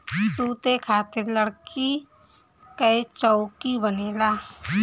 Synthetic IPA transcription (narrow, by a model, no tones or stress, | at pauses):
suːt̪ekʰaːt̪eɾləɽki | kəet͡ʃɔʊkibəneːlaː